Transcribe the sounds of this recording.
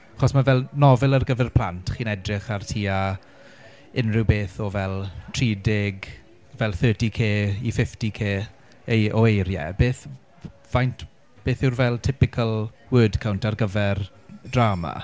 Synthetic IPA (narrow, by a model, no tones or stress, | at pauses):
aχɔsmavɛlˠnɔvɛlˠarɡəvɛrpʰl̥a̰ntʰχiːnɛdrɪχartʰiːa | ɪnrɪwbeːθɔvɛlˠtʰriːdɪɡ | vɛlˠθəːtikʰeːifɪftikʰeː | ejɔejɾjɛ̰beːθ | v̥ajntʰ | b̥eːθɪwrvɛlˠtʰɪpɪkʰəlˠ | wəːdkʰawntarɡəvɛr | draːma̰